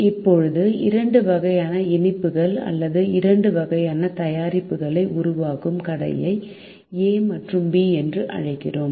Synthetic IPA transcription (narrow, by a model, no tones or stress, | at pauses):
ɪpːɔɻɯðɯɪɾɐɳɖɯʋɐɣɐjaːnɐɪnɪpːɯɣɐɭɐ̰lːɐðɯɪɾɐɳɖɯʋɐɣɐjaːnɐt̪ɐjaːɾɪpːɯɣɐɭɐɪʔʊɾʊʋaːɣɯmkɐɽɐ̰jɐɪ | eːmɐʈrɯmbiːɛndrɯʔɐ̰ɻɐɪkːɪ̰roːm